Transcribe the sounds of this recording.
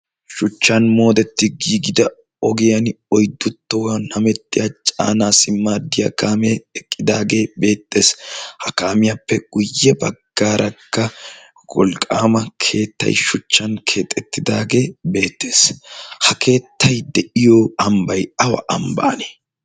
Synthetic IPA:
ʃʊt͡ʃːɐnmo̞ːd̪ɛt̪ːɪɡiːɡɪd̪ɐ | ɔɡɪjɐn | ɔjd̪ːʊt̪ːɔwɐnɐmɛt̪ːɪjat͡ʃʼa̰ːnaːsɪmːaːd̪ɪjɐ̰kaːmɛɛkʼːɪd̪aːɡe̞ːbe̞ːt̪ʼːe̞ːshɐkaːmɪjapːɛɡʊjːɛbɐ̰ɡ̥ːaːɾʔɐkːɐ | ɡɔ̰lkʼa̰ːmɐkʰe̞ːt̪ːɐ̰jʃʊt͡ʃːɐnkʰe̞ːt̪ʼːɛt̪ːɪd̪aːɡe̞ːbe̞ːt̪ːe̞ːshɐkʰe̞ːt̪ːɐjd̪ɛʔɪjoɐmbɐjɐwɐ̰ʔɐmbɐ̰ʔɐneː

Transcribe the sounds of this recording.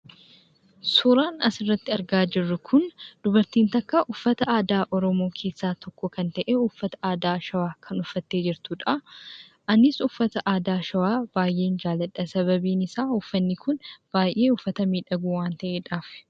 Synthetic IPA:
sʊːɾaːnɐsɪrːɐt̪ːɪɐɾɡaːd͡ʒɪrːʊkʰʊnd̪̥ʊbɐɾt̪iːnt̪ɐkːɐʔʊfːɐt̪ɐaːd̪aːʔɔɾɔmoːkʰe̞ːsːaːt̪ʰɔkːɔkɐnt̪ɐʔeːʊfːɐt̪ɐ̥aːd̪aːʃɐwaːkʰɐnʊfːɐt̪ːe̞ːd͡ʒɪɾt̪ʊːᶑɐ | ʔɐnːɪsʊfːɐt̪ɐʔaːd̪aːʃɐwaːb̥aːjʔe̞ːnd͡ʒaːlɐᶑɐsɐβɐbiːnɪsaːʊfːɐnːɪkʊnb̥aːjʔe̞ːʊfːɐt̪ɐmiːᶑɐɡuːwaːnt̪ɐʔeːᶑaːf

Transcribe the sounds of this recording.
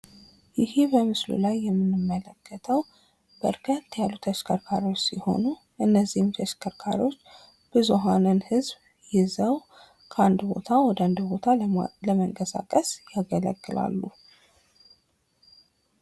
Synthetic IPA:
jɪhebəmɨslṵlajːɛmːɨnːɨmːələkʰːət̪ʰəw | b̥ə̰ɾkʰət̪ːjalːut̪ʰəʃkʰəɾkʰaɾo̞t͡ʃːsiho̞̰nu | ʔɨnːəzːihɪmt̪ʰəʃkʰəɾkʰaɾio̞t͡ʃː | b̥ɨzuɦanɨnhɨzb | jɪzəw | kʰəand̪bo̞̰t̪ʰawɔd̪əand̪bo̞t̪ʰaləməŋkʼəsa̰kʼəsjaɡələ̰ɡːɨla̰lːu

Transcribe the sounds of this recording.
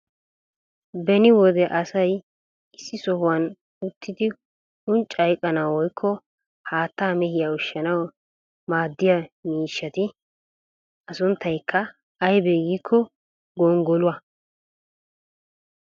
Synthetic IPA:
bɛnɪwɔd̪ɛʔɐsɐj | ɪsːɪsɔhʊwɐn | ʊt̪ʰːɪd̪ɪ | ʊnt͡ʃʼːɐjkʼːɐnawɔjkʰːɔ | haːt̪ːaːmɛhɪjaʊʃːɐnɐw | maːd̪ːɪjɐmiːʃːɐt̪ɪ | ɐsʊnt̪ʰːɐjkʰːɐː | jbɛɡiːkʰːɔ | ɡɔŋɡɔlʊwɐ

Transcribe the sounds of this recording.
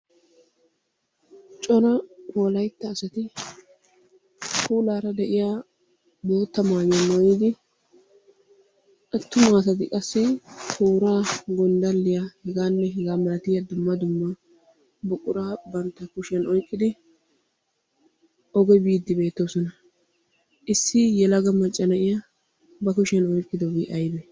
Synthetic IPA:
t͡ʃʼɔnɐwɔlɐjt̪ːɐːsɐt̪ɪ | kuːlaːɾɐd̪ɛʔɪjaː | bo̞ːt̪ːɐmaːjɐnːɔwjiːd̪ɪ | ʔɐt̪ːʊmɐːsɐt̪ɪkʼɐsːɪkʰuːɾaːɡɔnd̪ɐlːɪjahɛɡaːnːɛɦɛɡaːmɐlɐt̪ɪjɐd̪ʊmːɐd̪ʊmːɐ | bʊkʼːʊɾaːbɐnt̪ːɐkʊʃɪɐnɔjkʼːɪd̪ɪ | ʔɔɡɔjbiːd̪ːɪbe̞ːt̪ːosɔnɐ | ʔɪsːɪjɛlɐɡɐmɐt͡ʃʼːɐnɐʔɪjɐ | bɐkʊʃɪɐnɔjkʼːɪd̪ɔbiʔɐjbɛ

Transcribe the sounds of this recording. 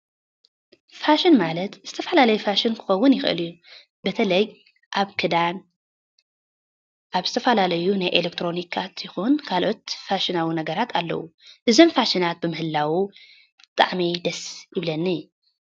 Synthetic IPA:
faʃɪnmalɐt̪zɨt̪ʰɐfɐlalɐjufaʃɪnkʰɨ̥xɐwːʊnjɪxʔɨ̰lju | bɐt̪ʰɐlɐj | ʔaβkʰɨd̪an | ʔaβzɨ̥t̪ʰɐfɐlalɐjunajʔelek̚t̪ʰɾo̞nikʰːat̪ʰjɪxunkʰalʔo̞t̪faʃɪnawinɐɡɐɾat̪ʰalːɐ̰wuʔɨzo̞mfaʃinat̪̚bɨmɨhɨlːawu | t̪ʼa̰ʕmid̪ɐsjɪβlɐnːɨj

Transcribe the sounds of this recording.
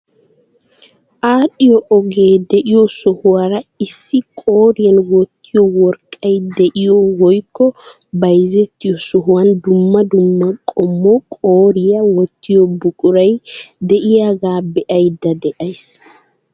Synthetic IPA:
ʔaːɗɪjɔʔɔɡe̞ːd̪ɛʔɪjɔsɔhʊwaɾɐɪsːɪkʼoːɾɪjɐnwɔt̪ːɪjɔwɔɾkʼːɐjd̪ɛʔɪjɔwɔjkːɔ | bɐjzɛt̪ːɪjɔsɔɦʊwɐnd̪ʊmːɐd̪ʊmːɐkʼɔmːɔkʼoːɾɪjɐwɔt̪ːɪjɔbʊkʼʊɾɐjd̪ɛʔɪjaɡaːbɛʔɐjd̪ɐd̪ɛʔɐjs

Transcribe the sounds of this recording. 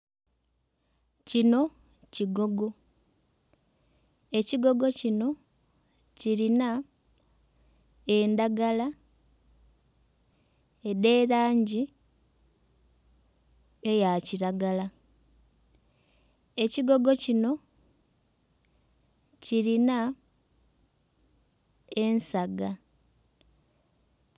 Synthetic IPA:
cino̞ | ciɡo̞ɡo̞ | e̞ciɡo̞ɡo̞cino̞ | ciɾina | e̞ːndaɡala | ede̞ːɾaːɲɟi | ejaciɾaɡala | eciɡo̞ɡo̞cino̞ | ciɾina | e̞nsaɡa

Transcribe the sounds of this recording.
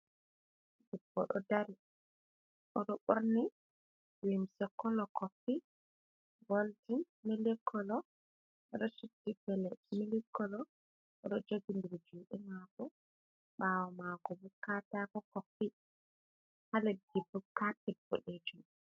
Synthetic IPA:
dibːɔ̰ɗɔ̰daɾi | ʔɔɗɔɓoɾni | wimsɔkːɔlɔkopːi | ɡoltin | milɛkʰːɔlɔ | ʔɛɗɔsutːifɛlɛmilikːɔlɔ | ɛɗɔd͡ʒoɡindiɾd͡ʒuɗɛmakɔ | ɓaːwɔmakɔbukːatakɔkopːi | halɛdibːukapɛbɔɗed͡ʒu

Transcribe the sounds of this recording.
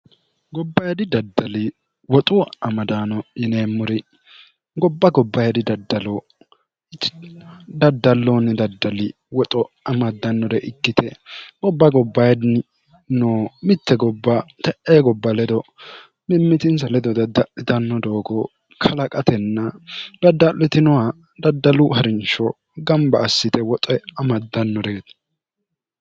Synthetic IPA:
ɡɔbːɐjd̪ɪd̪ɐd̪ːɐlɪ | wɔt̪ʼuɐmɐd̪aːnɔɪneːmːʊɾɪ | ɡɔbːɐɡɔbːɐjd̪ɪd̪ɐd̪ːɐlo | d̪ɐd̪ːɐlːoːnɪd̪ɐd̪ːɐlɪ | wɔt̪ʼɔ | ɐmɐd̪ːɐnːɔɾɛʔɪkːɪt̪ʰɛɡɔbːɐɡɔbːɐjd̪n | noːmɪt̪ːɛɡɔbːat̪ɛʔeːɡɔbːɐlɛd̪ɔ | mɪmːɪt̪ɪnsɐlɛd̪ɔd̪ɐd̪ɐʔɪt̪ɐnːɔd̪oːɡɔ | kʰɐlɐkʼɐt̪ʰɛnːɐd̪̥ɐd̪ːɐlɪt̪ɪnɔwa | d̪ɐd̪ːɐlʊɦɐɾɪnt͡ʃːɔ̰ | ɡɐmbɐːsːɪt̪ɛwɔt̪ʼɛɐmɐd̪ːɐnːɔdeːt̪

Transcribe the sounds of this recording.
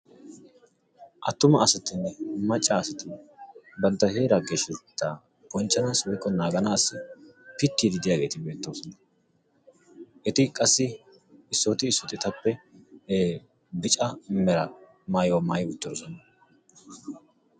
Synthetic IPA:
ʔɐt̪ːʊmɐɐsɐt̪ːɪnːɛmɐt͡ʃʼːɐːsɐt̪ɪnːbɐnt̪ːɐhe̞ːɾɐɡeʃɛt̪ːa | b̥ɔnt͡ʃːɐnaːswɔjkːɔnaːɡɐnaːsːɪpɪt̪ːiːd̪ɪd̪ɪjaːɡe̞ːt̪ɪbe̞ːt̪ːoːsɔnɐ | ʔɛt̪ɪkʼɐsːɪ | ɪsːoːt̪ɪːsːɔt̪ɪt̪ɐpːɛeː | bɪt͡ʃʼɐmɛɾɐ | maːjwɔmaːjʊt̪ːɔɾɔsɔnɐ

